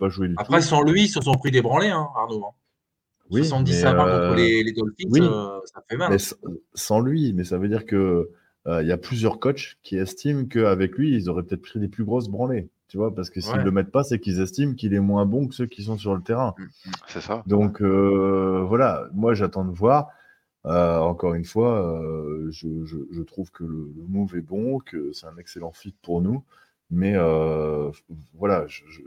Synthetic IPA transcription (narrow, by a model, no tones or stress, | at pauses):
paʒued̪ytauχɛsɑ̃lɥisəsɔ̃pχid̪ebʁɑ̃leɛ̃aʁnoɛ̃ | wisɑ̃d̪imɛaøɑ̃ɔ̃əleled̪ɔlfiwisafɛmalɛssɑ̃lɥimɛsavød̪iʁkəː | iljaplyzjœʁkɔt͡ʃkʲʰiɛst̪imkəavɛklɥiːlzɔʁɛpø̥t̪ɛt̪χpχid̪eplyɡʁos̬bʁɑ̃let̪yvwapaʁsə̥kəsilːəmɛt̪̚pasɛkilzɛst̪imkʲilɛmwɛ̃bɔ̃kəsøkʲis̬ɔ̃syʁlət̪eʁɛ̃sɛsad̪ɔ̃kø | vwalamwaʒat̪ɑ̃d̪əvwaːʁ | øɑ̃kɔʁynfwaøʒəʒəʒət̪χuvkələləmuvɛbɔ̃kʰəsɛ̥t̪ɛ̃nɛkselɑ̃fit̪̚puʁnu | mɛøfvwalaʒəʒə